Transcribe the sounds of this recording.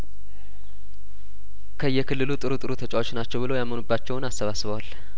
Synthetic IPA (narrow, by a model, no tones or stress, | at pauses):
kʰəɨjːɛkʰɨlːɨlut̪ʼɨɾut̪ʼɨɾut̪ʰət͡ʃʼawo̞t͡ʃːnat͡ʃːɛwβɨlo̞jamənubːat͡ʃːɛwʊnasːəβasːɨβəwal